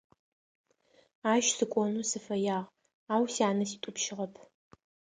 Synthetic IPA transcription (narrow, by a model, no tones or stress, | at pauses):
aːʃsɨkʷʼɔnuːsɨfɐjaːʁ | aːwsiaːnɐsiːtʷʼʊpʃɪʁɐpʰ